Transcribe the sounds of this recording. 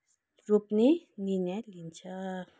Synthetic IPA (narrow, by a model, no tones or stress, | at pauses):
ɾupnininɛlint͡ʃʰa